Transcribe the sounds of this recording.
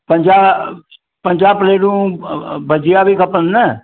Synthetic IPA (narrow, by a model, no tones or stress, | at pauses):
pəɲd͡ʒaː | pəɲʲd͡ʒaːpəleːɖũbəd͡ʒɪjabʱikəpənnɛː